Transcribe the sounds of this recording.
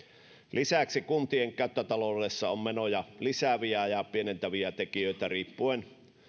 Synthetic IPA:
lisæksikunt̪ieŋkæˑøt̪ːæt̪ɑloresːɑommenojɑlisæʋiæjɑpienent̪æʋiæt̪ekijøˑit̪æriːpːuen

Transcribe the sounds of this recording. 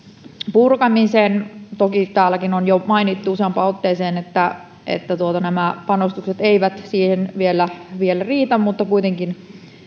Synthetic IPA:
purkɑmiseːnt̪okit̪æːlːækinonjomɑinit̪ːuuseɑmpɑːot̪ːeːseːnet̪ːæ | ʔḛt̪ːæt̪uot̪ɑnæmæpɑnost̪ukset̪eiʋæt̪siːhenʋielːæʋielæriːt̪æmmut̪ːɑkuit̪eŋkin

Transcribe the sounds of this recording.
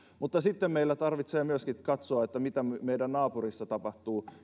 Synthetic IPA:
mut̪ːɑsit̪ːemmeilːæt̪ɑrʋit̪seːmyøskitkɑt̪soɑet̪ːæmit̪æmeidænnɑːpurisːɑt̪ɑpɑht̪uː

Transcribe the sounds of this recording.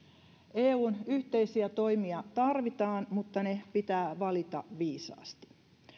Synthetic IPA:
ʔeːuːnyht̪e̞jsiæt̪o̞jmiɑt̪ɑrʋit̪ɑːnmut̪ːɑne̞pit̪æːʋɑlit̪ɑ̰ʋiːsɑ̰ːst̪i̥

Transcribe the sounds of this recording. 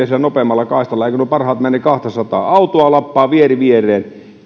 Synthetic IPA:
æsilːænopemːɑlːɑkɑˑist̪ɑlːɑeikønuøpɑrhɑːt̪mænːekɑht̪ɑsɑt̪ɑ̰ːɑut̪oɑlɑpːɑːʋieriʋierˑeːn

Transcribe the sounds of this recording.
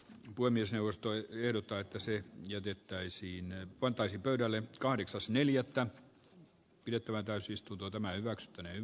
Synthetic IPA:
puhemːiesneuʋˑost̪oehdot̪ːɑet̪ːæsejæt̪et̪ːæisiːnpɑnt̪ˑɑisiːmpøyɾælːekɑhɾeksɑsneljæt̪ːæ | pidet̪ːæʋænt̪æysist̪unt̪ot̪æmæhyʋæksy̥t̪ːæney

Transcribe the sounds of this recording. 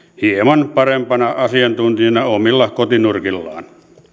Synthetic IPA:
hiemɑnpɑrempɑnɑɑsiɑnt̪unt̪iɑnɑomilːɑkot̪inurkilːɑ̰ːn

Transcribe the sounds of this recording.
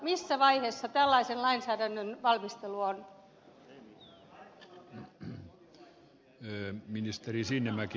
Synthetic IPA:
misːæʋɑiheːsːɑt̪ælːɑisenlɑinsæːdænːønʋɑlmist̪eluon | minist̪erisinːemæki

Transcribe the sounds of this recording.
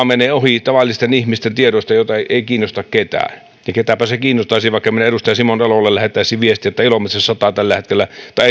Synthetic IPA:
meneːohit̪ɑʋɑlːˑist̪enihmist̪ent̪ieɾost̪ɑjot̪ɑeiʔeˑikiːnːost̪ɑkket̪æ̰ː | jɑket̪æpæsekiːnːˑost̪ɑˑisiʋɑˑikːɑmeneeɾust̪ɑjɑsimonelolːellæhet̪ːˑæˑisiʋiest̪iet̪ːæilomet̪rissɑt̪ɑt̪ælːæhet̪kelːæt̪ɑˑi

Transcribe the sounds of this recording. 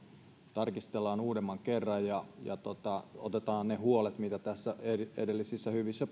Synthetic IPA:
t̪ɑrkist̪elːɑːnuːdemːɑŋkerːɑjjɑjɑ̰t̪ot̪ɑo̰t̪et̪ɑːnnehuolet̪mit̪æt̪æsːæeḛdelːisisːæhyʋisːæ

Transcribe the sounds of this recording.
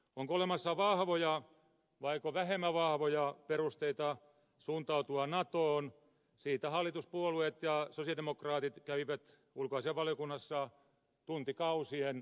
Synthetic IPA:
oŋkoolemɑsːɑʋɑhʋojɑ | ʋɑikoʋæhemːæʋɑhʋojɑperust̪eit̪ɑ | suːnt̪ɑut̪uɑnɑt̪oːn | siːt̪æhɑlːˑit̪uspuoluet̪jɑsosiɑdemokrɑːt̪it̪kæʋiʋæt̪ | ulkoɑiseɑʋʋɑljokunːɑsːɑ | t̪unt̪ikɑusien

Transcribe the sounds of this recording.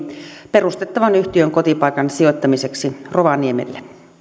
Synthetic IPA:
pe̞rust̪et̪ːɑʋɑnyht̪iøŋkot̪ipɑikɑnsio̞t̪ːɑmise̞ksiroʋɑniemḛlːe

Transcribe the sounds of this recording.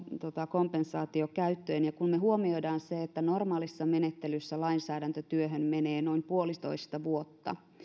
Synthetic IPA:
t̪ot̪ɑkompensɑːt̪iokæyt̪ːøːnjɑkunmeɦuomiojdɑːnseet̪ːænormɑːlisːɑmenet̪ːelysːælɑinsæːɾænt̪øt̪yøɦønmeneːnoimpuolit̪o̰ist̪ɑʋuot̪ːɑ̰

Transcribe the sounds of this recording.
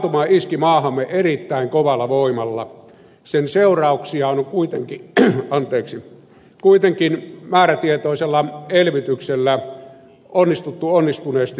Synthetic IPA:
t̪umɑːiskimɑːhɑmːeerit̪ːæˑiŋkoʋɑlːɑʋoimɑlːɑ̰ | senseˑurˑɑˑuksiɑonoŋkuit̪eŋkiɑnt̪eːksi | kuit̪eŋkinmæːɾæt̪iet̪oˑiselːɑelʋit̪ykselːæ | onːist̪ut̪ːuonːist̪uneːst̪i

